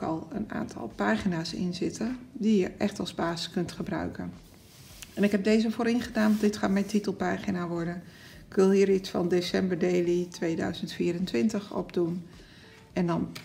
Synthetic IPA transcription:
kɑ̰lˠəna̰ːntʰɑ̰lˠpaːχinaːsɪ̰nzɪtʰəndijəʔɛχtɑlˠzbaːzəskɵntχəbrœ̰ɥkə̰n | ɛnɪkɦɛb̚dejzəfoːɾɪŋχədaːnʋɑndɪtχaːt̚mɛjtitəlˠpaːχinaːʋɔɹdən | ɪkʋɪlˠɦiːɾitsfɑ̰ndesɛmbəɹdejlitʋejdœ̰ɥzəntfiːɾəntʋɪntəχɔ̰bdun | ɛndɑn

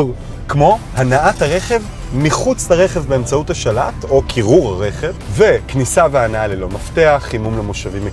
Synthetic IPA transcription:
kmo̞hanaʔathaʁe̞χe̞v | miχut͡slaʁe̞χe̞vbeːmt͡sauthaʃalato̞kʰiʁuʁaʁe̞χe̞vve̞knisaveanaalelo̞mafte̞aχimumlemoʃavime

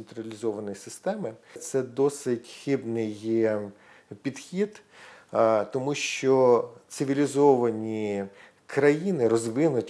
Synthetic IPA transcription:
nt̪ɾɐlʲizɔʋɐnɔjisɪst̪ɛmɪt̪sɛd̪ɔsɪtʲxɪbnɪj | pʲid̪xʲid̪ | t̪ɔmuʃt͡ʃɔt̪sɪʋʲilʲizɔʋɐnʲi | kɾɐjinɪɾɔzʋɪnʊtʲ

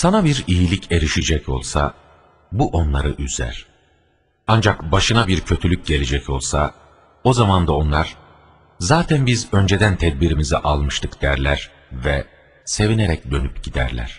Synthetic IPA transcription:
sanabiɾijilʲicʰe̞ɾiʃid͡ʒɛcʰo̞̰lˠsa̰ | buʔo̞nlˠaɾɯʔyzæ̰ɾ̥ | and͡ʒakbaʃɯnabiɾcʰø̞t̪ʰylʲyc̚ɟe̞lʲed͡ʒɛco̞̰lˠsa | o̞zamand̪ao̞nlˠaɾ̥ | zaːt̪ʰænbizø̞nd͡ʒed̪ænt̪ʰɛd̪̚biɾimiziʔalˠmɯʃt̪ʰɯkd̪̥æɾlʲæɾ̥ | vɛ | se̞vineɾɛcd̪ø̞nypɟid̪æ̰ɾlʲæ̰ɾ̥

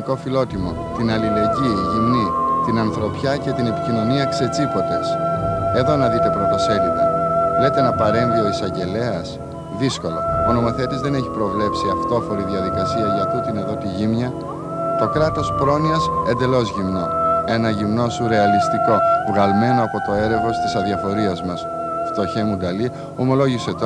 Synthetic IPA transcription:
ko̞filo̞t̪imo̞ | t̪inɐlile̞ɟiʝimnit̪inɐnθɾo̞pçɐce̞t̪ine̞picino̞niɐkse̞t͡sipo̞t̪e̞se̞ðo̞nɐðit̪e̞pɾo̞t̪o̞se̞linɐ̰le̞t̪enɐpɐɾe̞nðio̞isɐɲɟe̞le̞ɐs | ðisko̞lo̞̰ono̞mo̞θe̞t̪izðe̞ne̞çipɾo̞vle̞psiɐft̪o̞fo̞ɾiðiɐðikɐsiɐʝɐt̪ut̪inɐðo̞t̪iʝimɲɐ | t̪o̞kɾɐt̪o̞spɾo̞niɐse̞nd̪e̞lo̞zʝimno̞e̞nɐʝimno̞suɾe̞ɐlist̪iko̞vɣɐlme̞no̞ɐpo̞t̪o̞e̞ɾeɣo̞st̪isɐðiɐfo̞ɾiɐzmɐs | ft̪o̞çemud̪ɐli | o̞mo̞lo̞ʝise̞t̪o

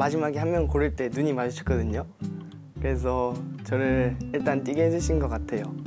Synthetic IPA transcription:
mad͡ʑimaɡehammjʌnkoɾɯɭt͈e̞nuɲimad͡ʑɯɕʰi̥k͈ʌdɯɲo | kɯɾe̞s̬ʰʌt͡ɕʌnɯɭiɭt͈ant͈ʼiɡeɦed͡ʑɯɕʰinɡʌk͈atʰe̞jo

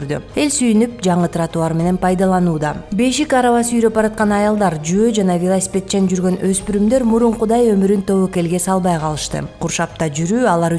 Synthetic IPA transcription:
ɾd̪y̰e̞lʲsyjynyp̚d͡ʒɑɴɯt̪ɾɑt̪uɑɾme̞ne̞npɑjd̪ɑlˠɑnuːd̪ɑbe̞ʃikɑɾɑvɑsyjɾø̞pbɑɾɑt̪̚qɑnɑjɑlˠd̪ɑɾd͡ʒyød͡ʒɑnɑvʲelˠasʲi̥pʲe̞t̪̚t͡ʃend͡ʒyɾɡø̞nø̞spyɾymd̪ø̞ɾmuɾuɴqud̪ɑjø̞myɾynt̪ʰo̞βoke̞lɡe̞sɑlˠβɑjqʰɑlˠɯʃt̪ɯ̰qʰuɾʃɑp̚t̪ɑd͡ʒyɾyːɑlˠɑɾ

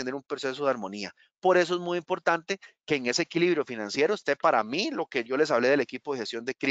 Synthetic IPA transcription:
end̪eɾumpɾose̞soð̞eaɾmo̞nia | po̞ɾe̞s̬oe̞zmujimpo̞ɾt̪ant̪e̞keːŋe̞seːkiliβɾjofinãnsje̞ɾoest̪e̞paɾa̰milokeʝo̞le̞s̬aβle̞ð̞elekipo̞ðexest̪jo̞nd̪ekɾi

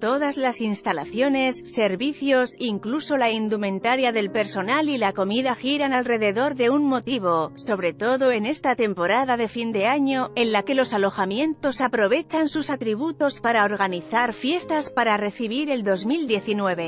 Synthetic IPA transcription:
t̪o̞ðazlasinst̪ala̰θjo̞ne̞sːe̞ɾβiθjo̞siŋkluso̞laind̪umẽ̞nt̪aɾjaðe̞lpe̞ɾso̞nalilako̞miðaxiɾanalre̞ðe̞ðo̞ɾðe̞unmo̞t̪iβo̞so̞βɾe̞t̪o̞ðo̞e̞ne̞st̪at̪e̞mpo̞ɾaðaðe̞find̪e̞aɲo̞e̞nlake̞lo̞salo̞xamje̞nt̪o̞sapɾo̞β̞e̞t͡ʃansusat̪ɾiβ̞ut̪o̞spaɾaoɾɣ̞aniθaɾfje̞st̪aspaɾare̞θiβ̞iɾe̞ld̪o̞zmild̪je̞θinwe̞β̞e̞

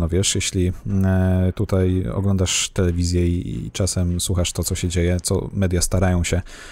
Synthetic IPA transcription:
ɔvʲɛʂjeɕlʲi | t̪ut̪ajɔ̰ɡlɔnd̪aʂt̪ɛlɛvʲizʲjɛḭt͡ʂasɛmswuxaʂt̪ɔt̪sɔɕɛd͡ʑejɛt̪sɔ̰mɛd̪ʲjast̪aɾajɔ̃w̃ɕɛ

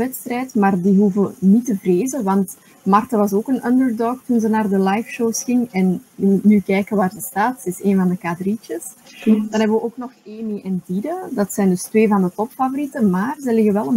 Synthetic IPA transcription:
ɛtst̪rɛːjtmaːrdiɦuvənitəvreːzəʋɑnt | mɑrtaʋɑsoːkənəndərdɔːk̚tunzənaːrdəlajfʃowsxɪŋɛnjəmutnykɛːjkənʋaːrzəstaːtsəɪseːnvɑndəkadrit͡ʃəsd̥ɑnɦɛbəʋəʔoːknɔxeːmiʔɛndidədɑtsɛjndɵstʋeːvɑndətɔpfavoɾitəmaːrzəlɪɣəʋɛlˠən

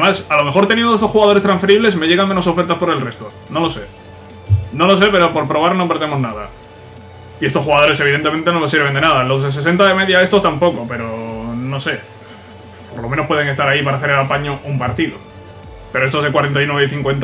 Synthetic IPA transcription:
masalo̞me̞xo̞ɾt̪enienost̪o̞sxuɣaðo̞ɾe̞st̪ɾãɱsfe̞ɾiβle̞sme̞ʝe̞ɣ̞aŋmenoo̞feɾt̪aspo̞ɾe̞lre̞st̪o | no̞lo̞se̞ | no̞lo̞s̬e̞pe̞ɾopo̞ɾpɾo̞β̞aɾnopeɾðemo̞znaða | ie̞st̪oxuɣað̞o̞ɾe̞se̞β̞iðent̪eẽ̞nt̪eno̞le̞s̬iɾβ̞e̞nd̪e̞naðalo̞zðes̬e̞s̬e̞nt̪aðeme̞ðjae̞st̪ost̪ampo̞kope̞ɾono̞se̞ | po̞ɾlo̞menopwe̞ðe̞ŋet̪aɾaipaɾaθe̞ɾelapaɲoʔumpaɾt̪iðo̰ | pe̞ɾoest̪ozðekwaɾe̞nt̪ajnweβeθiŋkwe̞nt̪

